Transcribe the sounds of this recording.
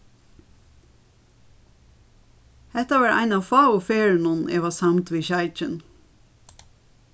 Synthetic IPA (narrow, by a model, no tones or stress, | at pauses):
hɛt̪ɑʋæɹʔæ̰ɪnɑːfɑːʊfeːɹnʊn̩ḛːʋɑːsɑmt̪ʋiːçɑɪt͡ʃən